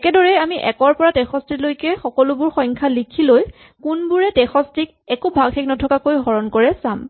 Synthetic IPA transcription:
ɛkɛdɔɹɛjamiʔɛ̰kɔɹpɔɹadɛxɔstɹilojkɛxɔkɔlʊbʊɹxɔjŋkʰalikʰiloj | kunbuɹɛdɛxɔstɹik | ɛkubʱaɡxeknɔtʰɔkakojɦɔɹɔnkɔɹɛsam

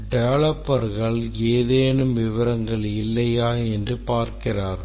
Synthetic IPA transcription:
ɖɛʋɐɭɐpːɐɾɣɐɭeːðeːnɯmʋɪʋɐɾɐŋɡɐɭɪlːɐjaːɛndrɯpaːɾkɪraːɾ

